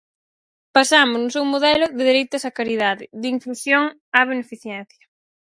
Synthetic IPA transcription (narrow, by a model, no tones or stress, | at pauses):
pasamʊznʊsewmoðɛlʊðeðeɾejt̪ʊsakaɾiðaðɪðiŋflusjoŋ | aβ̞enefiθjɛn̟θjɐ